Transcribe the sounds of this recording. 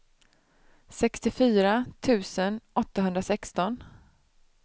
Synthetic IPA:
sɛkst̪ɪfyːɾat̪ʰʉ̟ːsənʔɔt̪ːaɦɵnd̪ɾasɛkst̪ɔn

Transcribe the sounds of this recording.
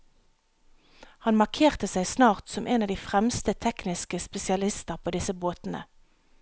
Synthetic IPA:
hɑnmɑʁkʰeːʁt̪əsæɪsnɑːʁt̪sɔmʔeːnɑːʋd̪iːfʁɛmst̪ət̪ʰɛknɪskəspɛsɪɑlɪst̪əʁpʰoːd̪ɪsəboːt̪n̩ə̰

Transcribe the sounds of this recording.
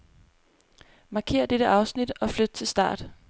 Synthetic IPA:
mɑ̈ːkʰe̝̰ːɐd̥eɾ̥əʔɑ̈ʊsnid̥ɒ̽flød̥ət͡sʰe̝lsd̥ɑ̰̈ːd̥

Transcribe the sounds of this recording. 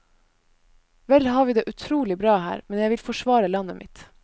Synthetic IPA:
ʋɛlhɑːɾʋiːd̪eːʔʉt̪ʰɾuːlɪbɾɑːhæ̰ːɾmɛnjæɪʋɪlfɔʂʋɑːɾəlɑnəmɪt̪

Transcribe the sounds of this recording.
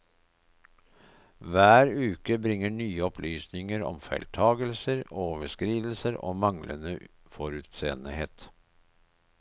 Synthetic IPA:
ʋæːɾʉːkəbɾɪŋəɳyːəɔpʰlyːsnɪŋəɾɔ̰mfæ̰ɪlt̪ʰɑːɡəlsəɾoːʋəʂkɾiːd̪l̩səɾo̰ːmɑŋlʔə̰nəfɔɾʉːt̪seːənəhḛːt̪

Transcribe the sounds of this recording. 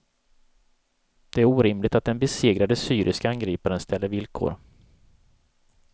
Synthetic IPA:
d̪̥ɛæɾuːɾɪmlɪɡ̚t̪at̪̚d̪ɛnbɛseːɡɾad̪əsyːɾʔɪskaanɡɾiːpaɾənst̪ʰɛlːəɾvɪlkʰo̰ːɾ

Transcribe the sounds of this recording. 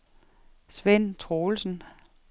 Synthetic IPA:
sʋen̰t͡sʰʁoːl̩sn̩

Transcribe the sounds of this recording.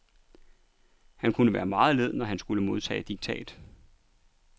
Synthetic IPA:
hænkʰunəʋæːɐmɑ̈ːð̩ˠle̝ð̞̰ˠnɒɦænsɡ̥uləmo̝ðˠt͡sʰɛ̰ːɪd̥iɡ̥̚t͡sʰɛ̰ːd̥

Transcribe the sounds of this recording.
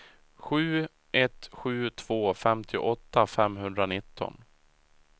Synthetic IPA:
ɧʉ̟ː | ʔɛt̪ɧʉ̟ːt̪ʰv̥oːfɛmt̪ʰɪʔɔt̪ːafɛmɦɵnd̪ɾanɪt̪ʰːɔ̰n

